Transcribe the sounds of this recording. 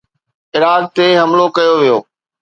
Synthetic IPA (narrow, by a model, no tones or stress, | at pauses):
ɪɾaːɡ̚t̪eɦɐmlokɐjoʋijoː